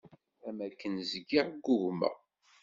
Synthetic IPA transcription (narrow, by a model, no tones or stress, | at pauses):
æmækːənzɡiʁɡːʊʝmæ̰